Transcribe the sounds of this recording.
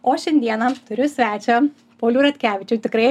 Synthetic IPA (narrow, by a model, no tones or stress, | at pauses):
oːʃʲɛnʲd̪ʲiɛnɐt̪ʊɾʲʊsʲʋʲæːt͡ʃʲɛ | pɐʊlʲuːɾɐt̪ʲkʲæːʋʲɪt͡ʃʲuːt̪ʲɪkɾɐɪ